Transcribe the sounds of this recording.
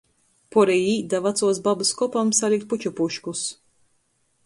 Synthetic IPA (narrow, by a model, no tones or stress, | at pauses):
pɔɾɛjiːd̪avat̪suɔsbabɨskɔpamsalʲik̚t̪̚put͡ʃupuʃkus